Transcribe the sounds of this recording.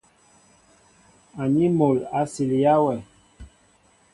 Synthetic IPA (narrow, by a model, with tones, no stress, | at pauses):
a˨ɲi˦mo˨la˨˦si˨li˨ja˦wɛ˨